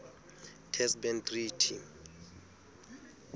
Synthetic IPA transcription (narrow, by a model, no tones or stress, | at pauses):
tʰɛsbɛnt̪ritʰi